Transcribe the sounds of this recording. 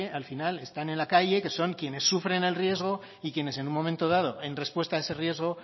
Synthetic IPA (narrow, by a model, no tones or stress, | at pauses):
ealfinale̞st̪ane̞nlakaʝe̞ke̞so̞ŋkje̞ne̞sːufɾe̞ne̞lrije̞zɣ̞o̞ | ikje̞ne̞se̞nunmːo̞ment̪o̞ð̞að̞o̞ʔe̞nre̞spwe̞st̪ae̞se̞rje̞zɣ̞o̞